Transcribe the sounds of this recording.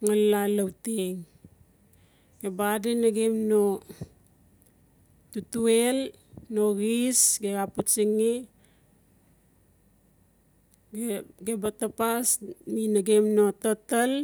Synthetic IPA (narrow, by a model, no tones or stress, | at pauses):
ŋalːalawteŋ | ɡ̥ebadenaɡemno | tutuel | noɣisɡeɡaput͡ʃiŋi | ɡebatapasminaɡemnototal